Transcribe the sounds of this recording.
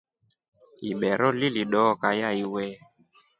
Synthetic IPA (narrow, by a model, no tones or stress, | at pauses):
iɓɛɾɔliliɗɔːkajaiwɛ